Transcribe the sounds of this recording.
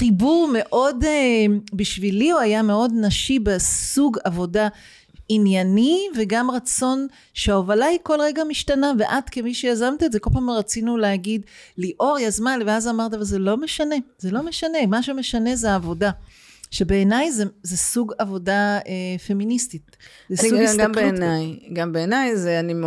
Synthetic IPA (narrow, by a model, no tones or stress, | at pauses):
χibuʁme̞ʔo̞debiʃvilioajameo̞dnaʃibesuɡavo̞da | injaniveɡamʁat͡so̞n | ʃeaovalaiko̞lʁeɡamiʃtanaveʔadkemiʃejazamt̪iezeko̞lpamʁat͡sinuleaɡidliʔo̞ʁjazmanlveazamaʁt̪̬avalzelo̞meʃane̞zelo̞meʃane̞maʃeme̞ʃane̞zeaːvo̞da | ʃebe̞ːnajzezesuɡavo̞daefe̞ministit | zesuɡɡbenajɡambeːnajzeanim